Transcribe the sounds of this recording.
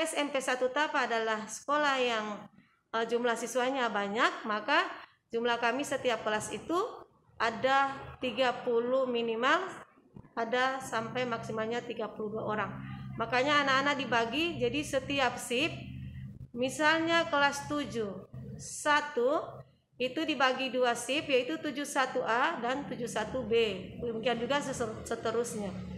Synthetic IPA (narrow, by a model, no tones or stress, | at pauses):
ɛsɛmpɛsat̪ut̪apaːdalahsə̥kolahjaŋ | əd͡ʒumlahsisuaɲabaɲak̚maka | d͡ʒumlahkamisət̪iap̚kəlasit̪u | ʔadat̪iɡapuluhminimal | adasampajmaksimalɲat̪iɡapuluduaʔoɾaŋmakaɲaːnaːnadibaɡid͡ʒadisət̪iap̚sɪp̚ | misalɲakəlast̪ud͡ʒuhsat̪u | it̪udibaɡiduasɪpjait̪ut̪ud͡ʒusat̪uʔadant̪ud͡ʒusat̪ubemuŋkiand͡ʒuɡassət̪əɾʊsɲa